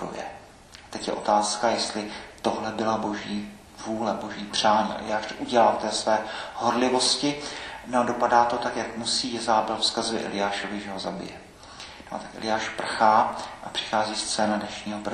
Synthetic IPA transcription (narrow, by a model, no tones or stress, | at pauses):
ṵjɛ̰ | at̪ɛcjɛ̰ʔo̞̰t̪aːskajɛst̪lɪt̪o̞ɦlɛbɪlabo̞ʒiː | vuːlɛbo̞ʒiːpr̝̥aːɲḭːʔɛ̰lɪ̰jaːʃt̪oʔuɟɛlaːt̪ɛːsvɛːho̞ɾlɪvo̞scɪnɛadopadaːt̪o̞t̪akjakmusiːjɛzaːbɛlfskazɪʔɛ̰lɪjaːʃovɪʒɛɦo̞zabɪ̰jɛ̰ | noʔa̰t̪akɛ̰lɪjaːʃpr̩xaːʔapr̝̥ɪ̥xaːziːst͡sɛːnadnɛʃɲiːɦopr